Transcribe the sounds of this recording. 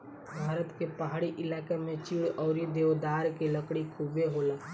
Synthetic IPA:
bʱaːɾət̪kepəɦaːɽiʔɪlaːkemẽt͡ʃiːɽɔːɾid̪eːʋd̪aːɾkeləkɽikʰubeɦoːlaː

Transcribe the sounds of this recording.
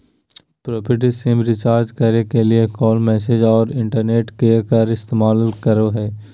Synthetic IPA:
pɾoːpʰɪʈ̬ɪsɪ̃mɾɪt͡ʃaːɾd͡ʒkəɾnekeliekɔːlmɛːsed͡ʒɔːɾɪ̃ɳʈəɾneːʈkekəɾɪst̪eːmaːlkəɾoɦɛː

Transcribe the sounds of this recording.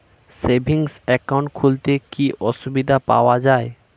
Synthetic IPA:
sebʱiŋsɛkawɳʈ̚kʰult̪ekiʔɔʃubid̪ʱapa̰oad͡ʑae

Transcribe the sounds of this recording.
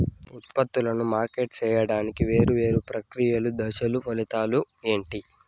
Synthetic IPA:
ut̪̚pɐt̪ːulɐnumaːɾke̞ːʈ̚t͡ʃɛːjɐɽaːnikiʋe̞ːɾuʋe̞ːɾupɾɐkɾijɐlud̪ɐʃɐlupɐlit̪aːlu | e̞ːɳʈi

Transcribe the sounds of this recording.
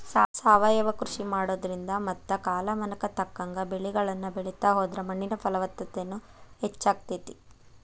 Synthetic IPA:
saːsaːʋaːjɐʋɐkɾuʃimaːɽoːd̪ɐɾind̪ɐmɐt̪ːɐkaːlɐmɐnɐkɐt̪ɐkːaːŋɡɐbeɭiɡɐɭɐnːɐbeɭɛt̪aːɦoːd̪ɾɐmɐɳːinɐpʰɐlɐʋɐt̪ːɐt̪enːu | het͡ʃːaːɡ̚t̪et̪i

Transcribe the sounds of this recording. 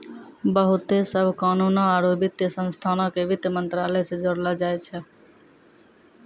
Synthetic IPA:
bəɦut̪esəbʱkanunɔaɾobit̪jəsə̃nst̪ʰanɔkebit̪jəmənt̪ɾalɛsed͡ʒoɽlɔd͡ʒajt͡ʃʰɛ

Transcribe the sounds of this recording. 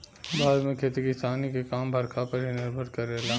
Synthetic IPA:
bʱaːlmẽkʰeːt̪ikɪst̪aːnikekaːmbʱɐɾkʰapɐɾɦinɪɾbʱəɾkɐɾeːlaː

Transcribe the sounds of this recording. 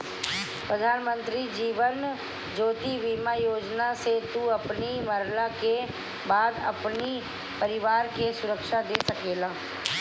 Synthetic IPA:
pɾəd̪ʱaːnmə̃nt̪ɾid͡ʒiːʋən | d͡ʒoːt̪iʋiːmajoːd͡ʒnaset̪uɐpniməɾlake | baːd̪ɐ̰pni | pəɾɪʋaːɾkesʊɾəkʃad̪eːsɐkeːlãː

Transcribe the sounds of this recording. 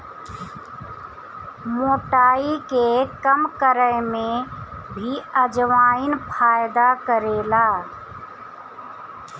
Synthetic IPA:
moːʈaːikekəmkəɾəmẽbʱiəd͡ʒʋaːinpʰaːjd̪akəɾeːlaː

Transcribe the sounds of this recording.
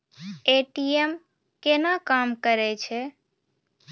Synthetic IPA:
eʈiem | kenakamkəɾɛt͡ʃʰɛ

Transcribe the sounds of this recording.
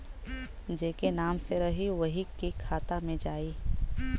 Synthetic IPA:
d͡ʒeːkenaːmseɾəɦiʋɐɦikikʰaːt̪amẽd͡ʒaːiː

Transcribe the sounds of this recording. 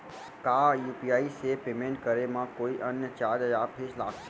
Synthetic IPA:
kajupiaisepemẽɳʈ̚kəɾemãkoiʔənjət͡ʃadjapʰiʃlaɡ

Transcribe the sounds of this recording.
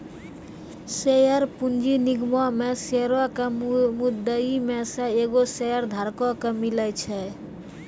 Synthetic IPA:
sejəɾpund͡ʒiniɡmɔmeseɾɔkemud̪ːəimesẽeɡosejəɾd̪ʱaɾkɔkemilət͡ʃʰɛ

